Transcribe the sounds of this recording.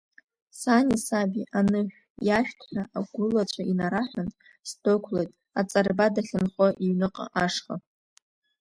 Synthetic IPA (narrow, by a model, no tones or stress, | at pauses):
sanisabʲiʔanɨʒᶣ | jaʃᶣtʰħaaɡʷʊlat͡ɕʷʰainaɾaħᶣantʼ | sdokʷʰlejtʼ | at͡sʼarbadaɬʲɨnχʷʼaʔiɥnɨqʼa̰ʔaʂχa̰